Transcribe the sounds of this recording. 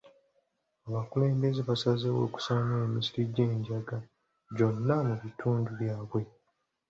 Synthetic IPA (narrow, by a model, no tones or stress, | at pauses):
aβakule̞ːmbe̞zeβasazewo̞̰ːku̥saːnaemisiɾiɟe̞ːɲɟaɡa | ɟo̞nːamuβitʰuːnduβjaːβwe̞